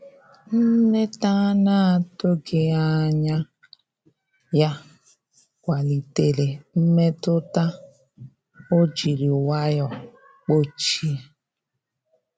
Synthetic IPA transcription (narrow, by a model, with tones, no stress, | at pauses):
m̩˦me˦ta˦na˦a˨to˦ɡɪ˨a˦˨ɲa˦ | ja˦ | kʷa˨li˨te˨le˨m̩˦me˦tʊ˦ta˦ | o˦d͡ʒi˨ɾi˨o˨wa˦jɔ˨ | k͡po˦t͡ʃi˦˨